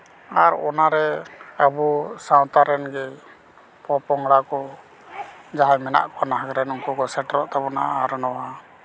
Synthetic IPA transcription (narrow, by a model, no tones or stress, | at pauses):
aɾɔ̰naɾɛabusawt̪aɾɛnɡɛ | pɔpɔŋɽakɔ | d͡ʒaɦajmɛna̰ʔkɔnaɦaɡɾɛnuŋkukɔsɛʈɾɔʔt̪abɔna̰ʔaɾɔnɔwa